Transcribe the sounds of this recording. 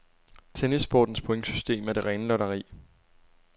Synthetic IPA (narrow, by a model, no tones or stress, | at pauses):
t͡sʰenisb̥ɒːd̥n̩spʰoeŋ̥sysd̥e̝̰ːmæɐd̥e̝ʁɛːnəlɒɾɐʁḭː